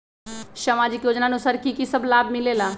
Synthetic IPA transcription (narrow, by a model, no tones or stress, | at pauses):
ʃəmaːd͡ʒɪkjoːd͡ʒnanũsɐɾkikisɐblaːbmɪleːlaː